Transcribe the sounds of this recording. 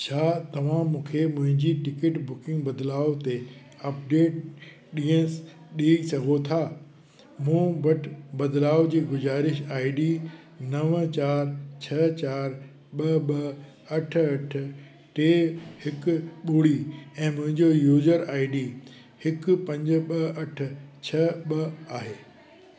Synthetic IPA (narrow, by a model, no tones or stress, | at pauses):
t͡ɕʰaːt̪ɐʋ̤ãmũːkʰemʊ̃ɦɪ̃ɲd͡ʑiʈɪkɪʈbʊkɪ̃ŋɡbɐd̪laːot̪e | ɐpɖeːʈ | ɗiːə̃s | ɗiːsɐɡʱot̪ʰaː | mũːʋɐʈʰbɐd̪laːʊd͡ʑiːɡʊzaːɾɪʃaːiɖiː | nɐʋt͡ɕaːɾt͡ɕʰɐt͡ɕaːɾ | ɓɐɓɐ | ɐʈʰɐʈʰ | ʈeːhɪkʊ̆ɓoːɽiɛ̃ːmʊ̃ɦɪ̃ɲd͡ʑojuːzəɾaːɪɖiː | hɪkʊ̆pɐ̃ɲd͡ʑʊ̆ɓɐɐʈ̆ʰt͡ɕʰɐɓɐaːɦeː